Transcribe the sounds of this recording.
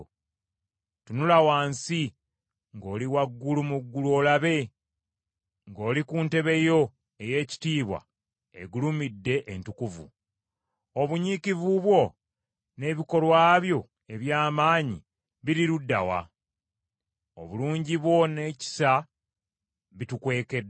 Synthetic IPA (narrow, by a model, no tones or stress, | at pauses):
tunulawaːnsi | ŋɡo̞ːliwaɡːulumuɡːuluoːlaβe̞ | ŋɡo̞ːlikuːnte̞βe̞jo̞ | e̞je̞ːci̥tiːβwa̰ | ḛɡulumidːe̞ʔentukuvṵ | oβuɲiːkivuβwo̞ | ne̞βiko̞lwaːβjo̞ | e̞βjaːmaːɲi | βiɾiɾudːa̰wa̰ | o̰βuluːɲɟiβwo̞ne̞ci̥sa | βitukwe̞ːke̞dː